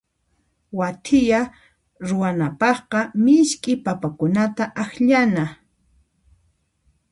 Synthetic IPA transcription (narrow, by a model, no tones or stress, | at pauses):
wat̪ʰɪja | ɾʊwanapɑχqɑmɪʃkʼɪpapakʊnat̪aʔaxʎana